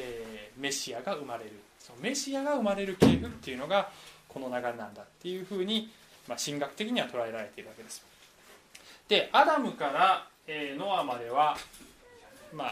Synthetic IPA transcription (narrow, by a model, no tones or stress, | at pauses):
eːme̞ɕiaɡaɯ̟maɾe̞ɾɯ̟ | so̞nome̞ɕiaɡaɯ̟maɾe̞ɾɯ̟ke̞ːɸɯ̟t̪ːe̞jɯ̟no̞ɡako̞no̞naɡaenãnd̪at̪ːe̞jɯ̟ɸɯ̟ːɲ̟i | maɕĩŋɡakɯ̟̥t̪e̞kʲiɲ̟iβat̪o̞ɾae̞ɾaɾe̞t̪e̞iɾɯβaked̪e̞sɨ̥ | d̪̥e̞ad̪amɯ̟kaɾa | eːno̞amad̪e̞βa | ma